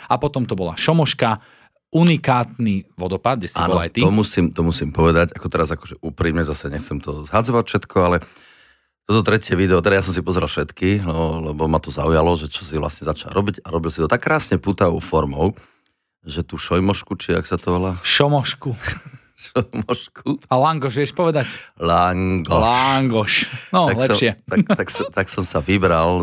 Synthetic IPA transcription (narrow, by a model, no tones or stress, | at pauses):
apɔt̪ɔmt̪ɔbɔlaʃɔmɔʃka | unikaːt̪niʋɔd̪ɔpad̪̚ɟɛsa̰ːnɔlajt̪iɔmusiːmt̪ɔmusiːmpɔʋɛd̪aɟakɔt̪ɛɾazakɔ̥ʒɛʔupɾiːmɲɛzasɛɲɛxt͡sɛmt̪ɔzɦad͡zɔʋacfʃɛt̪kʰɔalɛ | t̪ɔt̪ɔt̪ɾɛcɪɛʋid̪ɛɔt̪ɛd̪ajasɔmsipɔzɛɾalfʃɛt̪killɛbɔmat̪ɔzaujalɔʒɛt͡ʃɔ̥siʋla̰sɲɛzat͡ʃa̰ʎɾɔbiɟaɾɔbilsit̪ɔt̪akːɾaːsɲɛpuːt̪aʋɔʊfɔɾmɔʊ | ʒɛt̪uːʃɔjmɔʃkut͡ʃia̰ksat̪ɔɔlaʃɔmɔʃku | ʃɔmɔʃkʰualaŋɡɔʃʋjɛʃpɔʋɛd̪aclaŋɡɔlaŋɡɔʃnɔalɛpʃɪɛt̪t̪akst̪aksɔmsaʋibɾal